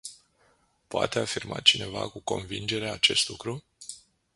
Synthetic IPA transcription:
poa̰t̪e̞afirmat͡ʃine̞vakuko̞̰nvind͡ʒe̞ɾeaat͡ʃe̞st̪lukɾu

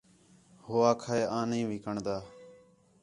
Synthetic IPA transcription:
hoːaːkʰaːeːʔãːnĩːʋɪkəɳd̪aː

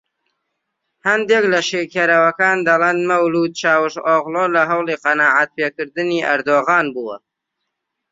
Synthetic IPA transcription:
hɐnd̪eːklɐʃekeɾɐwɐkɑːnd̪ɐleːnmɐwluːd̪̚t͡ʃɑːwɨʃoɣlˠoːlɐɦɐwlˠiqɑnɑːʕat̪̚peːkɨɾd̪ɨniːʔɐ̰ɾd̪oːɣɑːnbuwə̰

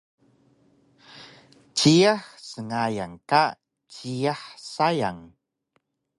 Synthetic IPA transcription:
t͡ɕiaħsəŋajaŋka | t͡ɕiaħsajaŋ

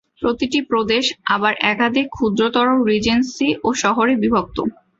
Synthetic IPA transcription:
pɾot̪iʈipɾod̪eʃabaɾʔɛkad̪ʱikʰud̪ɾot̪ɔɾoɾid͡ʑensiʔoʃɔɦoɾebibʱok̚t̪o̰

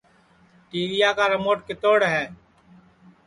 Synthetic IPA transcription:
ʈiːɾɪjaːkaːɾəmoːʈkɪt̪oːɽɦɛː

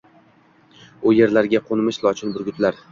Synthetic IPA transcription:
ʊje̞ɾlaɾɡʲaqʰonmɪʃlˠɒt͡ʃʰɪnbʊɾɡʲʊt̪ʰlaɾ

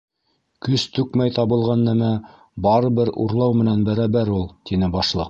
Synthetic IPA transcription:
kɵst̪ʉkmæjt̪ɑβɤ̆lˠʁɑnːæmæ | bɑɾɤ̆βɘɾṵɾlˠɑwmɘ̆nænbæɾæbæɾulˠt̪inɘbɑʃlˠɤq̚

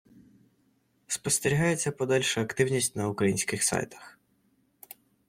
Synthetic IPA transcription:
spɔst̪eɾʲiɦɑjet͡sʲːɐpɔd̪ɛlʲʃʊɐkt̪ɪwnʲisʲtʲnɐukɾɐjinʲsʲkɪxsa̰jt̪ɐ̥x

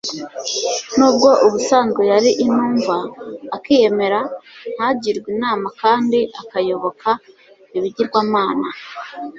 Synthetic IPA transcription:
nuːbɡo̞ʔuβusaːŋɡojaɾiʔinuːɱvaːkiːje̞me̞ɾan̥haɟiɾɡwiːnaːmakaːndiʔakajo̞βo̞kʰa | iβiɟiɾɡwaːmaːna

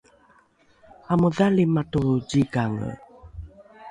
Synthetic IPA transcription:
amuðalimatuɟiɡaŋə̰

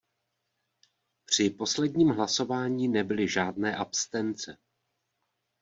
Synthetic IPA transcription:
pr̝̥ɪpo̞slɛdɲiːmɦlaso̞vaːɲiːnɛbɪlɪʒaːdnɛːʔapst̪ɛnt͡sɛ

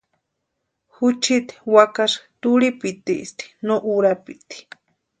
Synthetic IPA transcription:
hut͡ʃʰit̪i̥wakaʂt̪uɾipit̪iʔst̪i̥noʔuɾapit̪i̥

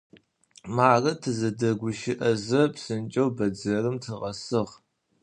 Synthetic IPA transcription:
maːrɐtʰɨzɐdɐɡʷʊʃɪʔɐzɐpsɨnt͡ʃʼɐwbɐd͡zɐrɨmtʰɨʁɐsɨʁ

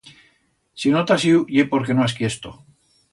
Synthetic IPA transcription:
sinot̪asiujepoɾke̞noaskjest̪o

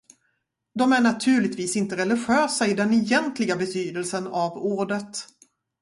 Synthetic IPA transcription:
d̪ɔmæɳat̪ʰʉ̟ːɭɪɡt̪viːsɪnt̪əɾɛlɪɧøːsaɪd̪ɛnɛjɛnt̪lɪɡabɛt̪ʰyːd̪əlsənavuːɖət̪

